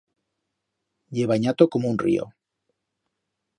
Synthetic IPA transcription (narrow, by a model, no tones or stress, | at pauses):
ʎeβaɲat̪okomounrḭo̰